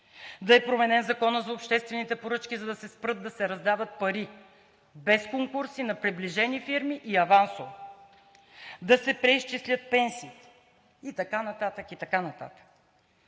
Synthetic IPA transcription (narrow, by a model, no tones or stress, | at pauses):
d̪ɐɛpɾomɛnɛnzɐkɔnəzɐopʃt̪ɛst̪vɛnit̪ɛpoɾɤt͡ʃkʲizɐd̪ɐsɛspɾɤt̪̚d̪ːɐsɛɾɐzd̪avət̪̚pɐɾi | bɛskoŋkuɾsinɐpɾɛbliʒɛnifiɾmiʔiɐvanso | d̪ɐsɛpɾɛist͡ʃislʲət̪̚pɛnsiːt̪ɛ̥ | it̪ɐkanɐt̪at̪əkit̪ɐkanɐt̪a̰t̪ə̥k